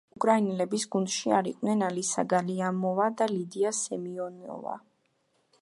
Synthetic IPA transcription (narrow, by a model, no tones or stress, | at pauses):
ukʼɾainɛlɛbisɡund̪̥ʃiaɾiqʼwnɛnalisa̰ɡaliamɔvad̪alid̪iasɛmiɔnɔ̰va̰